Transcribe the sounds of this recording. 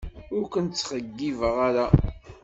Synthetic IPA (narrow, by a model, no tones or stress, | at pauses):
ʊɾkʷənt͡sːχəɡːivəʁaɾa